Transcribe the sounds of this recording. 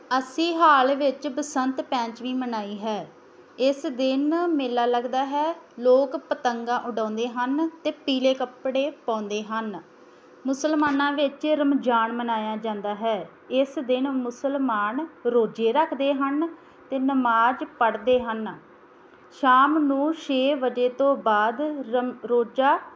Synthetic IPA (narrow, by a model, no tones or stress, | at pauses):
əsiːɦaːlʋɪt͡ʃbəsənt̪pɛ̃ːt͡ʃʋĩːmənaːiːɦɛː | ɪsd̪ɪnmeːlaːləɡd̪aːɦɛːloːkpət̪əŋɡãːʔʊɖãːnd̪eːɦənt̪eːpiːleːkəpɽeːpãːnd̪eːɦən | mʊsəlmaːnãːʋɪt͡ʃɾəmd͡ʒaːɳmənaːjaːd͡ʒãːnd̪aːɦɛː | ɪsd̪ɪnmʊsəlmaːnɾoːd͡ʒeːɾəkʰd̪eːɦən | t̪eːnəmaːd͡ʒpəɽd̪eːɦən | ʃaːmnũːʃeːʋəd͡ʒeːt̪õːbaːd̪ɾoːd͡ʒaː